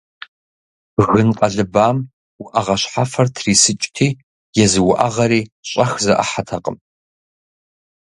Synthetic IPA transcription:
ɣɨnqʼɐɮɨbaːm | wʊʔɐʁɐɕħafɐrtʰriːsɨt͡ʃʼtʰiː | jɛzɨwʊʔɐʁɐɾiːɕʼɐxzɐʔa̰ħatʰɐqʼə̰m

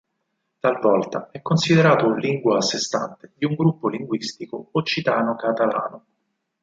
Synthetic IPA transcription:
t̪alvɔlt̪a̰ɛkːonsid̪eɾaːt̪oliŋɡwaːsːest̪a̰nt̪ed̪iuŋɡɾupːoliŋɡwist̪ikoot͡ʃːit̪aːnokat̪ala̰ːno

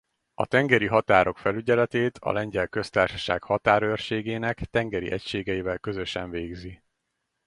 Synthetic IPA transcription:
ɒ̰t̪ɛŋɡɛɾiɦɒt̪aːɾo̞kfɛlyɟɛlɛt̪eːt̪ʰɒ̰lɛɲɟɛlkø̞st̪aːrʃɒ̥ʃaːkhɒt̪aːɾørʃeːɡeːnɛkt̪ɛŋɡɛɾḭʔɛcʃeːɡɛivɛlkø̞zø̞ʃɛɱveːɡzi

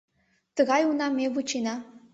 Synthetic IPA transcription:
t̪əɣɑjunɑmeβut͡ɕenɑ

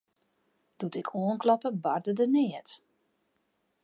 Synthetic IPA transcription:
d̥utɪkʰoənklɔpəbardədənɪət

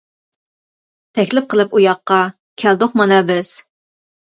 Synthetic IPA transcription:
t̪ʰɛkʲlɪp̚qʰəlˠɨpujɑqːɑ | kʲʰæld̪oχmɑnɑbɪz̥

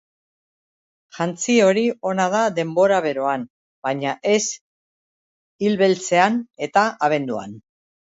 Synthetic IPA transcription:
ʝant͡sio̞ɾio̞nað̞aðe̞mbo̞ɾaβ̞e̞ɾo̞an | baɲaʔe̞s | ilβe̞lt͡se̞ane̞t̪aʔaβ̞e̞nd̪ua̰n

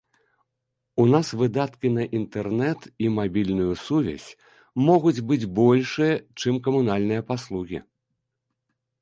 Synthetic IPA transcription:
unasvɨd̪at̪kʲin̪ɐʔint̪ɛrnɛt̪imabʲilʲnujusuvʲɛ̰sʲ | mɔɣud͡zʲbɨd͡zʲbɔlʲʂɨjɐt͡ʂɨmkɐmunalʲnɨjɐpaslˠuɣʲḭ

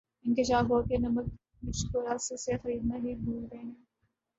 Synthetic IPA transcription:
ɪ̃nkɪʃaːfɦoːkenɐmək̚ | mɪt͡ʃkoɾaːsesexɐɾiːd̪naɦibʱuːlɾẽ

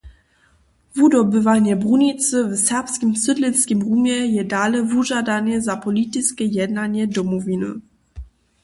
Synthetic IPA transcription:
vudɔbəvaɲɛbʁunit͡səvsɛpskimsədlɪnskimʁumjɛjɛdaːlɛvuʒadanɛzapɔlit̪ɪt͡skɛjɛdnaɲjɛdɔmɔvinɨ̰

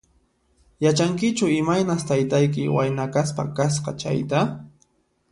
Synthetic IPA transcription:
jat͡ʃaŋkɪt͡ʃʊɪmajnast̪ajt̪ajk̬ɪwajnakaspa̰kasqɑ̰t͡ʃa̰jt̪a

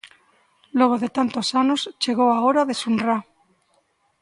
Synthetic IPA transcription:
loβ̞oðet̪ant̪osanost͡ʃe̞ɣ̞oaoɾaðesunra

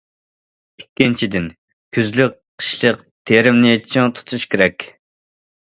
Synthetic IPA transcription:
ikʲːint͡ʃʰid̪ɪn | kʲʰyzlyk̚qʰːə̥ʃlˠəq | t̪ʰeɾɪmnɨt͡ʃʰiŋt̪ʰu̥t̪ʰuʃkʲeɾɛkʲ

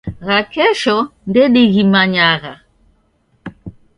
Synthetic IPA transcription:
ɣakɛʃɔndɛɗiɣimaɲaɣa

